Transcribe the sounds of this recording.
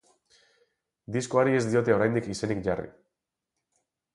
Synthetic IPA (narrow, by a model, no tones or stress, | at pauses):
d̪isko̞aɾie̞zd̪io̞t̪e̞o̞ɾajnd̪ikise̞nikʝarḭ